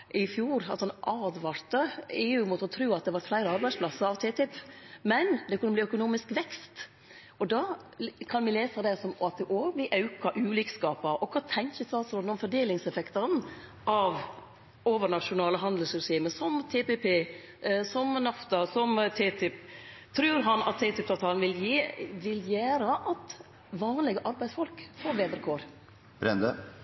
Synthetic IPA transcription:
ʔɪfjuːɾɑt̪ɑnʔɑːd̪ʋɑɾt̪əeːʉʊmuːt̪əɔt̪ʰɾʉːɑt̪̚d̪ɛʋɑɾt̪flæɪɾəɑɾbæɪspʰlɑsəɾɑʋt̪ʰeːt̪ɪpːmɛnd̪ɛkʰʉnːəbliːœkʊnuːmɪskʋɛkst̪ | ɔd̪ɑːkʰɑnʋɪleːsɑd̪ɛsɔmɑt̪̚d̪ɛʔoːʋəblɪʔɑʉkɑʔʉːlɪːkskɑːpɑɾʔɔkʰɑːt̪ʰɛŋçəst̪ɑːlsɾoːd̪n̩ɔmfɔɖ̪eːlɪŋsɛfɛkt̪ɑɾn | ʔɑʋ | oːʋəɾɳɑʂʊnɑːləɦɑnd̪lsɾɛsiːməsɔmt̪ʰeːpepʰeː | sɔmnɑft̪ɑsɔmt̪ʰeːt̪ʰɪpt̪ʰɾʉːɾɦɑnɑ̰t̪ʰːeːt̪ɪp̚t̪ɑt̪ʰɑlnʋɪljiʋɪljæːɾəʔɑt̪ | ʋɑːnlɪɡəʔɑɾbæɪsfɔlkfoːɾʋeːd̪ɾəkʰoːɾ | b̥ɾɛ̰nd̪ə

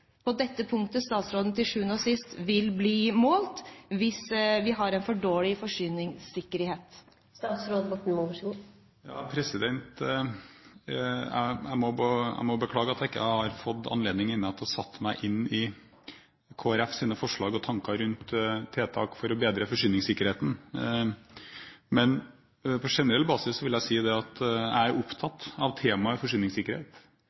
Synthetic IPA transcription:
pʰɔd̪ɛt̪ːəpʰʊŋkt̪əst̪ɑːt̪sɾoːd̪n̩t̪ɪlʂʉːənoːsɪst̪ʋɪlbliːmoːlt̪ʋɪsʋɪɦɑɾɛnfɔɖoːlɪfɔʂʏːnɪŋsɪkːəɾheːt̪ | st̪ɑːt̪sɾoːd̪bɔʈːn̩mɔʋʂɡu | jɑ̰ːpʰɾɛsɪd̪ɛnt̪ | æ̰æ̰ɪmɔbæ̰ɪmɔbəkʰlɑːɡəɑt̪jæɪkːə̰hɑɾfɔt̪ːɑ̰nleːd̪nɪŋɪnːəɑt̪d̪hɑsɑt̪ːmæɪʔɪnːɪ | kʰoːæɾɛfsiːnəfɔʂɭɑːɡɔt̪ʰɑŋkɑɾʉnt̪ʰːeːt̪ʰɑ̰ːkfɔɾɔbeːd̪ɾəfɔʂʏːnɪŋsɪkːəɾheːt̪ən̩ | mɛn | pʰɔʂɛnəɾɛlːəbɑːsɪsːɔʋɪljæɪsiːd̪ɛɑt̪æ̰ɪæɾʔʊpt̪ʰɑt̪ːɑʋt̪ʰeːmɑəfɔʂʏːnɪŋsɪkːəɾheːt̪

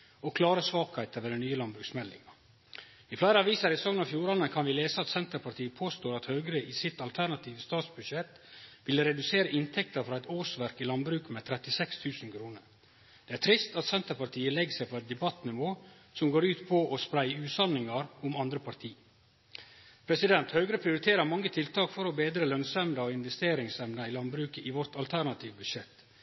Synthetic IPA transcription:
ɔkʰlɑːɾəsʋɑːkæɪt̪əʋɛd̪ɛnyːəlɑnbɾʉːksmɛlɪ̰ŋɑ | ɪflæɪɾəɑʋiːsɑɾɪsɔŋənɑfjuːɾɑnəkʰɑnʋɪleːsəɑt̪sɛnt̪əɾpʰɑʈ̪ʰiːəpʰoːst̪oːɾɑt̪hœːɡɾəʔɪsɪt̪ɑlt̪ʰæɳɑt̪ʰiːʋəst̪ɑːt̪sbʉʃɛt̪ | ʋɪləɾɛd̪ʉseːɾəʔɪnt̪ʰɛkt̪əɾfɾɑːɛɪt̪oːsʋæɾkɪlɑnbɾʉːkmɛt̪ʰɾɛt̪ɪsɛkst̪ʰʉːsn̩kʰɾuːnəɾ | d̪̥ɛːæɾʈ̪ʰɾɪst̪ɑt̪sɛnt̪əpɑɾʈ̪ʰiːəlɛɡsæɪpʰɔɛɪt̪̚d̪ɛbɑt̪nɪʋoː | sɔmɡoːɾʉːt̪pʰɔʔɔspɾæɪʉːt̪sɑnɪŋɑɾʊmɑnd̪ɾəpʰɑɾt̪ʰiː | pʰɾɛsɪd̪ɛnt̪hœːɡɾəpʰɾɪʊɾɪt̪ʰeːɾəɾmɑŋːət̪ʰɪlt̪ʰɑːkfɔɾɔbeːd̪ɾəlœnsɛmnd̪ɑɔɪnʋɛst̪eːɾɪŋsɛmnəɪlɑnbɾʉːkəʔɪʋɔɾt̪ɑlt̪ʰæɾɳɑt̪ʰiːʋbʉʃʂɛt̪

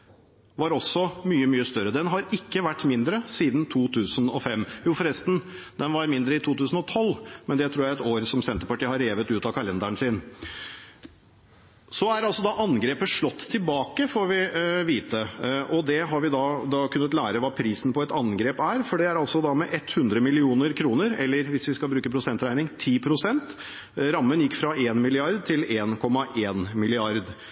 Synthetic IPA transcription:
ʋɑɾɔsːɔmyːəmyːəst̪œɾəd̪ɛnɦɑɾɪkːəʋæʈːmɪnd̪ɾəsiːd̪n̩t̪ʰuːt̪ʰʉːsənɔ̰fɛmːjuːfɔɾɛst̪n̩ | d̪ɛnʋɑɾmɪnd̪ɾəɪt̪ʰuːt̪ʉːsn̩ɔt̪ʰɔlːmɛnd̪ɛt̪ʰɾuːɾjæɪɛt̪oːɾsɔmsɛnt̪əɾpɑʈiːhɑɾeːʋət̪ʉːt̪ɑkʰɑlɛnd̪æɳsɪn | sɔæɾɑlsɔd̪ɑʔɑnɡɾeːpəʂɭɔt̪ːt̪ʰːɪlbɑːkəfɔɾʋɪʋiːt̪əʔɔd̪ɛɦɑɾʋɪd̪ɑd̪ɑkʰʉnːət̪læːɾəʋɑːpʰɾiːsn̩pʰɔɛt̪ɑnɡɾeːpæːɾfɔɖɛæɾɑlsɔd̪ɑmɛʔɛt̪ːhʉnd̪ɾəmɪlɪuːnəɾkʰɾuːnəɾɛ̰lːəɾʋɪsʋɪskɑlbɾʉːkəpʰɾʊsɛnt̪ɾæɪnɪŋt̪ʰiːpʰɾʊsɛnt̪ | ɾɑmːənjɪkːfɾɑeːnmɪlɪɑɾd̪̚t̪ʰɪleːnkʰɔmːɑʔeːnmɪlɪɑɾd̪

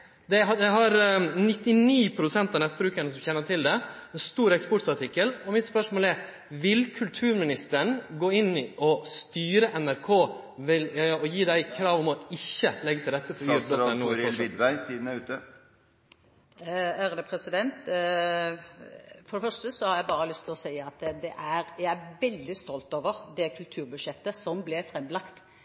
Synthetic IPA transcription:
d̪ɛɑd̪ɛɦɑɾnɪt̪ːɪniːpʰɾʊd̪ʉsɛnt̪ɑnɛt̪̚ːbɾʉːkənəsɔmçɛnːəʈʰɪld̪ɛɛnst̪uːɾɛkspɔʈɑʈɪkːəlɔmɪt̪spœʂmoːlɛɾ | ʋɪlkʰʉlt̪ʰʉːɾmɪnɪst̪əɳɡoːɪnːɪɔst̪yːɾəʔɛnæɾkʰoː | ʋɪlɔjiːd̪æɪkʰɾɑːʋɔmɔɪçːəlɛɡːət̪ɪld̪ɛt̪ːəfænuːɾɔɪd̪ʋæɪt̪ʰiːd̪n̩æʉːt̪ə | æɾəd̪əpʰɾɛsɪd̪ɛnt̪ | fɔɾɛfœʂʈəsɔhɑɾjæɪbɑːɾəlʏst̪ʰɪlɔsæɪɑt̪d̪ɛʔæɾjæɪæʋɛld̪ɪst̪ɔlt̪oːʋəɾd̪ɛkʰʉlt̪ʰʉːɾbʉd̪ʃjɛt̪ːəsɔmblɪfɾɛmːlɑkt̪

